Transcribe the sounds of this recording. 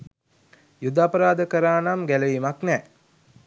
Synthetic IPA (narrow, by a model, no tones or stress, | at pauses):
jud̪apəɾaːd̪əkəɾaːnamɡæləimaknɛː